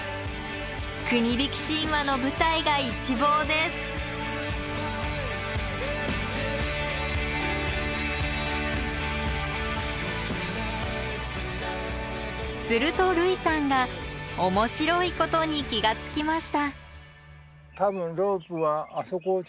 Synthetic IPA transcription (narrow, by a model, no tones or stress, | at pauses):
kɯ̟ɲ̟ibʲikʲi̥ɕĩβano̞bɯ̟t̪aiɡait͡ɕibo̞ːd̪e̞sɨ̥ | sɨɾɯ̟t̪o̞ɾɯ̟isãŋɡaomo̞ɕiɾo̞iko̞t̪o̞ɲ̟ikʲiɡat͡sɨ̥kʲimaɕi̥t̪a | t̪abɯ̟̃nɾoːpɯ̟βaːso̞ko